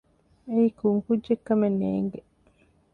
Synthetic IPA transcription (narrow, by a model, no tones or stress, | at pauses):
eikuŋkudːekːɐmenːḛːŋɡe